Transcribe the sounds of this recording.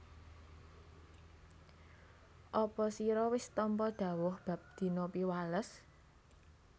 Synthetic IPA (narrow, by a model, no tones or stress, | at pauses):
ʔɔpɔsiɾɔwɪst̪ɔmpɔɖ̪̥ä̤wʊhb̥a̤p̚d̪̥i̤nopiwaləs